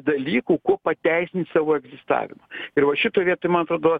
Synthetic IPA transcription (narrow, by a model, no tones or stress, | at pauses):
d̪ɐlʲiːkuːkuɔpɐt̪ʲɛɪsʲɪnʲsɑːʋoːɛɡzʲɪst̪ɑ̰ːʋʲɪ̰mɐɪrʋɐʃʲɪt̪oɔʋʲiɛt̪oːjmɐnɐt̪ɾoːd̪ɐʋɐ